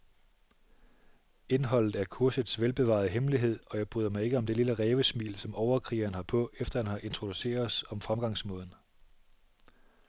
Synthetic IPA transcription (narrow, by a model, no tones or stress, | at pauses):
e̝nɦɒ̽l̰ð̩ˠæɐkʰuɐsð̩ˠsʋelb̥e̝ʋɑ̰̈ð̩ˠɦemliɦe̝ð̞̰ˠɒ̽jɑɪb̥ʁy̰ːðˠɐmɑ̈ɪe̝ɡ̥əɒ̽md̥e̝liləʁɛːʋəsmḭːlsɒ̽mʔɒʊɐkʰʁḭːɐnhɑ̈pʰɔ̽ʔefd̥ɐhænhɑ̈ʔe̝nt͡sʰʁo̝d̥use̝̰ːɐsɒ̽mfʁamɡ̥ɑ̈ŋsmɔ̽ːðˠn̩